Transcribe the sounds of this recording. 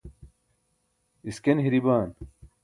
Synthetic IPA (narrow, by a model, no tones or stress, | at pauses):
iskenɦiɾibaːn